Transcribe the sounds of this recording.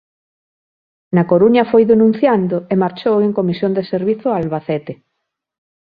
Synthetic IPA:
nɐkoɾuɲɐfojðenũn̟θjand̪ʊemaɾt͡ʃoweŋkomisjond̪eseɾβiθʊalβaθɛt̪e

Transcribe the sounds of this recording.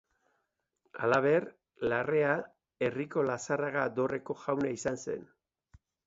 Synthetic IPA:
a̰laβ̞e̞r | lare̞a | e̞riko̞lasaraɣad̪o̞re̞ko̞ʝawnaisanse̞̰n

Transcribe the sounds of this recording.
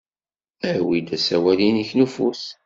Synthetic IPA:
æwid̪æsæwæliniçnufus

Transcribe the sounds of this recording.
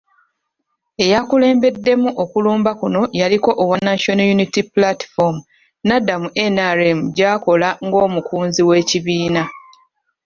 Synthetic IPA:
e̞jakule̞ːmbe̞dːe̞muʔo̞kuluːmbakuno̞jaliko̞ʔːwanaʃonojunitiplatfomu | nadːamuʔenaɾemuɟaːko̞laŋɡo̞ːmukuːnziwe̞ːciβiːna

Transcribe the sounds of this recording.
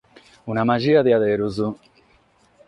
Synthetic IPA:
unamad͡ʒiːaðiaðeɾuzu

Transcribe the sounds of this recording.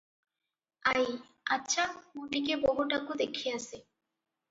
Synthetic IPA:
aj | atːɕʰamonikebɔɦuʈakod̪ekʰiat͡ɕʰe

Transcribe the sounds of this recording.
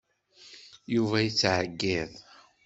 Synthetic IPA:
juvæjət͡sːʕəɡːið

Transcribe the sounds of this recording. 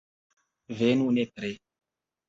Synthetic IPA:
venunet̪ɾe

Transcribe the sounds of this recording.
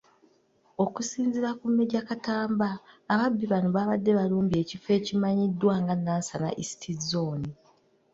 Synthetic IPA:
o̞kusiːnziɾakumːe̞ɟakataːmbaːβabːiβanuβaːβadːe̞βaluːmbie̞ːcife̞ːcimaɲidːwaːŋɡanːaːnsana̰ʔisi̥tʰizoːni

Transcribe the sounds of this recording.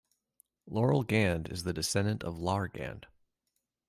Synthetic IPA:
lɔɹl̩ˠɡæ̃ndɨ̰zðɨdɨsɛ̃ndɨ̃ntʰʌvlɑɹɡæ̰̃nd̥

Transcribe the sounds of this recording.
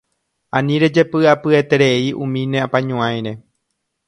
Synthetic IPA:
ãnĩɾe̞d͡ʒe̞pɨapɨe̞t̪e̞ɾe̞iʔṵ̃mĩnẽ̞apãɲũãj̃ɾe̞

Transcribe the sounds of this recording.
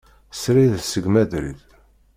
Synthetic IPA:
sɾiðsəɡmæðɾḭð

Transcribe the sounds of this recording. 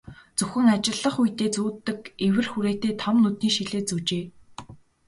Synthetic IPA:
t͡sɵxɘ̆ŋat͡ɕɪ̆ɮːə̆χujt̪eːt͡suːt̪ːɘ̆kewɘ̆rxuɾeːt̪eːt̪ʰɔmnut̪niːŋʃiɮeːt͡sɵt͡ɕeː

